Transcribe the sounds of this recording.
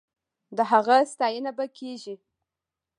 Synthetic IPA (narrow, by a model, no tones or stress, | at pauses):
d̪əɦaɣast̪ɑjənabakʰeʒi